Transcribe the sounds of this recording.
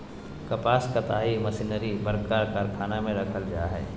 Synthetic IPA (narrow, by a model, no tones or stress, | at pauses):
kɐpaːskat̪aːɦimɐsinəɾibɐɾkaɾkaɾkʰaːnamẽɾɐkʰəld͡ʒa̰ːɦɛ̰ː